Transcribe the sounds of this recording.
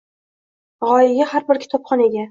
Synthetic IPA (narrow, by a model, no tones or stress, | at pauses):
ʁɒjɪɡʲahaɾbɪɾkʲʰɪ̥t̪ʰɒpχɒne̞ɡʲa